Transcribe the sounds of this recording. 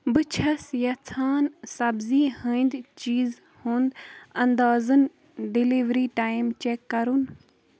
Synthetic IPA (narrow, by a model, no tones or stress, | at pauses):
bɨt͡ʃʰɐsjɐt͡sʰaːnsɐbziːhəind̪t͡ʃiːz | hoːnd̪ɐnd̪aːzɨn | ɖiliʋɾiːʈaːjmt͡ʃeːkːɐɾun